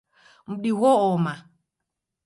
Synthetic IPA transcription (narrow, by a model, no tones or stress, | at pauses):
m̩ɗiɣɔɔma